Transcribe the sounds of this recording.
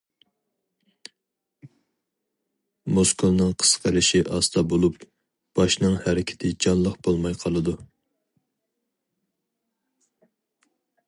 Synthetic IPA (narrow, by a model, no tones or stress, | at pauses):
moskʰolˠnɨŋqʰə̥sqʰəɾɪʃiʔɑst̪ɑbolˠup | b̥ɑʃnɨŋhæɾɪkʲʰɪ̥t̪ʰɪd͡ʒɑnlˠəqbolˠmɑjqʰɑlˠɨd̪u